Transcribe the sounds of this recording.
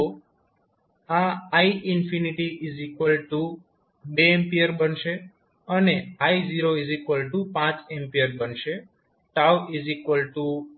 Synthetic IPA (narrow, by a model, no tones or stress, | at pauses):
o | aaiʔɪnfiniʈiʔizikʋəlʈu | beempiəɾbənʃe | əneaiziɾoizikʋəlʈupãt͡ʃempiəɾbənʃe | ʈawizikʋəlʈu